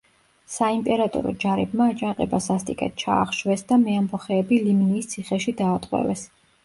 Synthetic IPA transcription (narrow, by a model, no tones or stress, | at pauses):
saimp̪ʼɛɾat̪ʼɔ̰ɾɔ̰d͡ʒaɾɛbmaːt͡ʃʼaŋqʼɛbasast̪ʼikʼɛ̰t̪̚t͡ʃʰa̰ːχʃwɛsd̪amɛambɔχɛːbilimniːst̪sʰiχɛʃid̪aːt̪ʼqʼwɛ̰vɛs